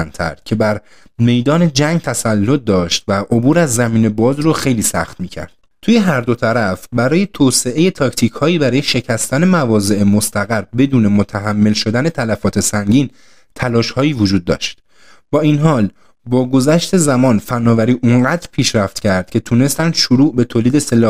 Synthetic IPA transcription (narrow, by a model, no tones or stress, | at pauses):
nt̪ʰæ̰ɾd̪̥̚cʰe̞bæɾ | me̞jd̪ɒːne̞d͡ʒæŋɡt̪ʰæsælːot̪̚d̪ɒːʃt̪væʔo̞buːɾæzːæmiːne̞bɒːzɾoxe̞jliːsæ̰xt̪miːcʰæ̰ɾd̪̥ | t̪ʰuːjeɦæɾd̪o̞t̪ʰæɾæfbæɾɒːje̞t̪ʰoːse̞ʔeje̞t̪ʰɒcʰt̪ʰiːchɒːiːbæɾɒːjeʃe̞cʰæst̪æne̞mævɒːze̞ʔemo̞st̪ʰæɣæɾbe̞d̪uːne̞mot̪ʰæɦæmːe̞lʃo̞d̪æne̞t̪ʰælæfɒːt̪ʰe̞sæŋɟiːn | t̪ʰælɒːʃhɒːjiːvod͡ʒuːd̪̚ːɒ̰ːʃt̪ | bɒːinɦɒːl | bɒːɡo̞zæʃt̪e̞zæmɒːnfænːɒːvæɾiːʔuŋɢæːd̪ɾpʰiːʃɾæft̪cʲʰæɾd̪̥̚cʰʲe̞t̪ʰuːne̞st̪ænd̪̥ʃoɾuːʔbe̞t̪ʰoːliːd̪e̞se̞lɒːh